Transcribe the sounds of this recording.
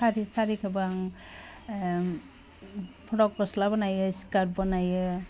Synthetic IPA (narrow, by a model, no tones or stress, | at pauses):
aɾisaɾikʰabɯaŋ | pʰɔɽɔkɾɔslabɔnajɯsi̥kaɾbɔnajɯ